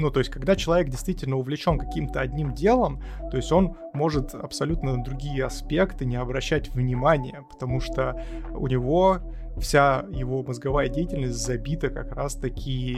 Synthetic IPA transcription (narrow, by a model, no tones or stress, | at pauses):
nut̪o̞jɪsʲtʲkɐɡd̪at͡ɕɪlˠɐvʲe̞k̚dʲɪjst̪vʲitʲɪlʲnəʊvlʲɪt͡ɕo̞nkɐkʲimt̪əɐdʲnʲimdʲe̞lˠəmt̪o̞ɪsʲtʲo̞n | mo̞ʐɨt̪ɐ̰psɐlʲut̪nənd̪ɾʊɡʲijəɐspʲe̞kt̪ɨnʲɪɐbɾɐɕːætʲvnʲɪmanʲɪjəpə̥t̪ɐmuʂt̪oʊ̰nʲɪvo̞ | fsʲajɪvo̞məzɡɐvajədʲejɪtʲɪlʲnəsʲtʲzɐbʲit̪əkɐkɾast̪ɐkʲʰi